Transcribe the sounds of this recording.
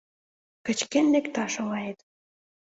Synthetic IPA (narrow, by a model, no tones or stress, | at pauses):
kə̆t͡ɕkenlekt̪ɑʃŏlɑjet̪